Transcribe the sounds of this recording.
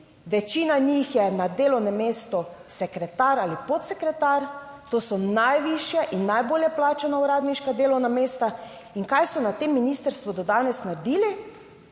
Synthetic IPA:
ʋɛt͡ʃiːnanixjɛnad̪eːlɔwnɛmːeːst̪ɔsɛkɾɛt̪aɾalipot̪sɛkɾɛt̪aɾt̪oːsɔnajʋiʃjaʔinːajboːljɛplaːt͡ʃanauɾaːd̪niʃkad̪eːlɔwnameːst̪a | iŋkajsɔnat̪emːinist̪əɾst̪ʋɔd̪ɔd̪aːnɛsnad̪iːli

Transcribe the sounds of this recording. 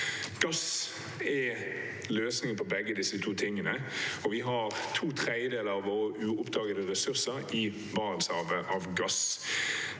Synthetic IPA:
ɡ̥ɑs | ɛ | løːsnɪŋpʰɔbɛɡːəd̪ɪsət̪ʰuːt̪ʰɪŋːənəɔʋɪɦɑʁt̪ʰuːt̪ʰʁɛɪəd̪eːləɾɑʋoːʁəʔʉːʊpd̪ɑːɡəd̪əʁɛsʉʁsəɾɪ | bɑːnnsɑːʋəʔɑʋɡɑs

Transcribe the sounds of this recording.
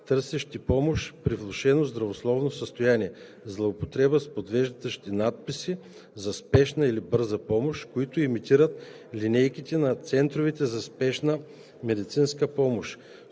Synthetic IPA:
t̪ɤɾsɛʃt̪ipɔmoʃpɾivlˠoʃɛnozd̪ɾɐvoslˠɔvnosəst̪ojaniɛ | zlˠɐʊpot̪ɾɛbəspod̪vɛʒd̪t̪əʃt̪inat̪̚pisi | zɐspɛʃnəilibɤɾzəpɔmoʃkoit̪ʊimit̪iɾət̪ | linɛjkit̪ɛnɐt̪sɛnt̪ɾovit̪ɛzɐspɛʃnə | mɛd̪it̪sinskəpɔmoʃ

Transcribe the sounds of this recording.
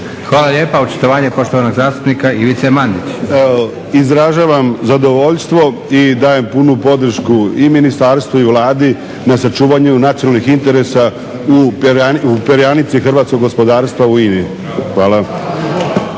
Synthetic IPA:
xʋaːlˠaʎeːpaut͡ʃu̥t̪oʋaːɲepo̞ʃt̪oʋanoɡzaːst̪u̥pnikaiʋit̪semand̪it͡ɕ | izɾaʒaːʋamzad̪o̞ʋoʎst̪ʋo̞ | id̪aːje̞mpunupo̞d̪r̩ʃkuiminist̪aːɾst̪ʋuiʋlˠaːd̪i | nasat͡ʃuːʋaɲunat̪ijonalˠnixint̪e̞ɾe̞sa | upaupeɾjanit̪sixrʋaːt̪sko̞ɡospo̞d̪aːɾst̪ʋauiːnii | xʋaːlˠa

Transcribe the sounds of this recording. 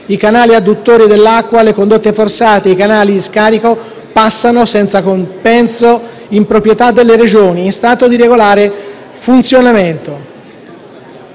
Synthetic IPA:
ikanaːliad̪ut̪ːoːɾid̪elːakːwalekond̪ot̪ːeforsaːt̪eikanaːlid̪iskaːɾiko | pasːanosɛnt̪sakompɛnso | impɾopɾjet̪ad̪ːelːeɾed͡ʒoːniɛst̪aːt̪od̪iɾeɡolaːɾe | funt̪sjonament̪o

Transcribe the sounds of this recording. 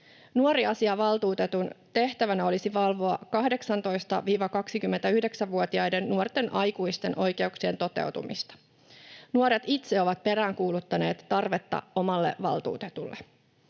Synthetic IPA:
nuoɾiɑsiɑʋɑlt̪uːt̪e̞t̪unt̪e̞ht̪æʋænæo̞lisiʋɑlʋo̞ɑkɑɦde̞ksɑnt̪o̞jst̪ɑʋiːʋɑkɑksikymːent̪æyhde̞ksæʋʋuot̪iɑjde̞nːuort̪e̞nʔɑjkuist̪enʔo̞jke̞uksient̪o̞t̪e̞̰wt̪ṵmist̪ɑ̥ | nuoɾet̪it̪se̞o̞ʋɑt̪̚pe̞ɾæːŋkuːlut̪ːɑne̞ːt̪ːɑrʋe̞t̪ːɑ̰o̞mɑlːe̞̰ʋɑ̰lt̪ṵːt̪e̞t̪ulːe̞

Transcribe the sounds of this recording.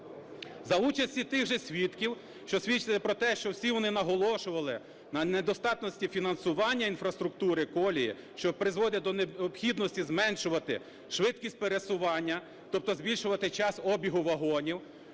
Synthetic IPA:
zɐut͡ʃɐsʲtʲit̪ɪɣʒɛsʲʋʲit̪kʲiw | ʃt͡ʃɔsʲʋʲit͡ʃɪlɪpɾɔt̪ɛʃt͡ʃɔwsʲiʋɔnɪnɐɦɔlˠɔʃʊʋɐlˠɪ | nɐned̪ɔst̪ɑt̪nɔsʲtʲifʲinɐnsʊʋɑnʲːɐinfɾɐst̪ɾʊk̚t̪uɾɪkɔlʲijḭ | ʃt͡ʃɔpɾɪzʋɔd̪ʲɐd̪ɔnɔpxʲid̪nɔsʲtʲizmɛnʃʊʋɐt̪ɪ̰ | ʃʋɪt̪kʲisʲt̚ʲpeɾesʊʋɑnʲːɐ | t̪ɔp̚t̪ɔzbʲilʲʃʊʋɐt̪ɪt͡ʃɑsɔbʲiɦʊʋɐɦɔnʲiw

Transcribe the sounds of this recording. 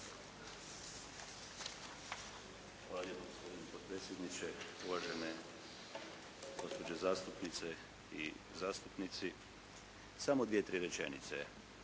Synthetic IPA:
xʋaajet̪noɡospod̪inipod̪̚pɾeːt̪sjed̪nit͡ʃeuʋaʒene | ɡ̥o̞spo̞d͡ʑezaːst̪upnit̪se | izaːst̪upnit̪si | samod̪ʋijet̪ɾiːɾet͡ʃḛnḭt̪se

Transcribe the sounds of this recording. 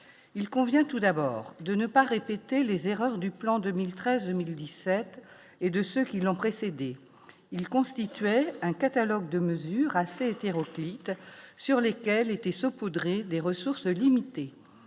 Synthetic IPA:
ilkɔ̃vjɛ̃t̪ud̪abɔ̰ʁd̪ənəpaʁepet̪elezeʁœʁd̪yplɑ̃d̪əmilt̪χɛzd̪əmild̪isɛt̪ | ed̪əsøkʲilɔ̃pχesed̪e | ilkɔ̃st̪it̪ɥɛɛ̃kat̪alɔɡd̪əməzyʁaseet̪eʁɔklit̪syʁlekʲɛlet̪ɛsɔpud̪ʁed̪eʁəsuʁslimit̪e

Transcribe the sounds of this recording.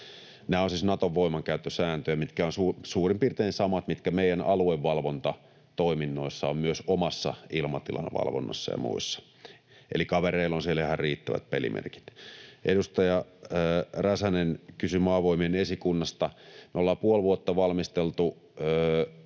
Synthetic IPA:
næːonsiːsnɑt̪oʋʋoimɑŋkæyt̪ːøsæːnt̪øjæmit̪kæonsusuːrimpirt̪eːnsɑmɑt̪mit̪kæmeijˑænɑlueʋːɑlʋont̪ɑ | t̪oiminːoisːɑommyøsomɑsːɑ̰ilmɑt̪ilɑ̰nʋɑ̰lʋo̰nːɑ̰sːɑ̰jɑ̰mṵisːɑ̥ | ʔḛlikɑʋereilonsielehɑrriːt̪ːæʋæ̰t̪̚pelḭmʔḛrki̥t̪ʔedust̪ɑjɑː | ræsænenkysymɑːʋoimienesikunːɑst̪ɑmolːɑːpuolʋuot̪ːɑʋɑlmist̪elt̪u

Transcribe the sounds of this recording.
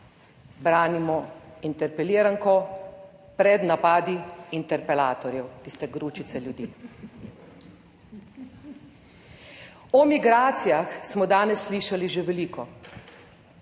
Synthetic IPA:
bɾaːnimɔint̪ɛɾpɛliːɾaŋkɔ | pɾɛd̪napaːd̪iint̪ɛɾpɛlaːt̪ɔɾjɛwt̪ist̪ɛɡɾuːt͡ʃit̪sɛljud̪iː | ɔmiɡɾaːt̪sijaxsmɔd̪aːnɛsːliʃaliʒeʋɛliːkɔ

